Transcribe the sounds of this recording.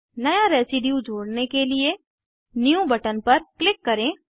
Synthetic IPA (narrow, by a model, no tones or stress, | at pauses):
nɐjaɾɛːsɪɖijud͡ʒʱoːɽnekelie | njũbɐʈənpɐɾklɪkːɐɾẽː